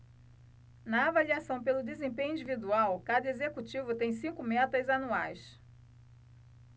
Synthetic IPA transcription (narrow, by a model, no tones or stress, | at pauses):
nɐːvaliasɐ̃w̃pelʊd̪ezẽpẽɲʊĩd͡ʒivid̪uawkad̪ɐezekut͡ʃivʊt̪ẽj̃sĩŋkʊmɛt̪ɐzanuajs